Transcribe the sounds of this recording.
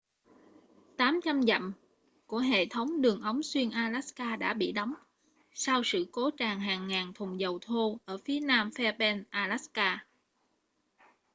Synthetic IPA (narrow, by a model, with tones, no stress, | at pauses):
t̪aː˨˦mt͡ɕa˧mza̰˧˨m | ku˧˩əɦḛ˧˨t̪ʰə˨˦wŋ͡mɗɨ˨˩əŋʔə˨˦wŋ͡mswi˧ənʔaː˧laː˦˥skaː˧ɗa̰ː˧˥ɓḭ˧˨ɗɔ˨˦wŋ͡m | sa˧wsɨ̰˧˨ko˨˦t͡ɕaː˨˩ŋɦaː˨˩ŋːaː˨˩ŋt̪ʰʊ˨˩ŋ͡mzə˨˩wt̪ʰo˧ʔəː˧˩fi˨˦ənaː˧mfɛ˧ɓɛ˧nʔaː˧laː˦˥skaː˧